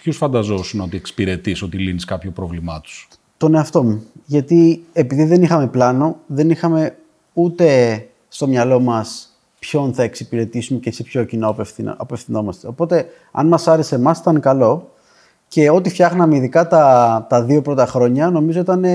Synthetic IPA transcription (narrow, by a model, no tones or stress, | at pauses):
pçusfɐnd̪ɐzo̞suno̞t̪ie̞ksi̥piɾe̞t̪iso̞t̪iliniskɐpçopɾovlimɐt̪u̥s | t̪o̞ne̞ɐft̪o̞muʝɐt̪iepiðiðe̞nixɐme̞plɐno̞ðe̞nixɐme̞ | ut̪e̞ | st̪o̞mɲɐlo̞mɐs | pço̞nθɐe̞ksipiɾe̞t̪isumecesipço̞cinoɐpefθḭɐpefθino̞mɐst̪e̞o̞po̞t̪e̞ | ɐ̰nmɐsɐɾesemɐsi̥t̪ɐnkɐlo̞ | ce̞o̞t̪ifçɐxnɐme̞iðikɐt̪ɐt̪ɐðio̞pɾo̞t̪ɐxɾo̞ɲɐno̞mizo̞it̪ɐne̞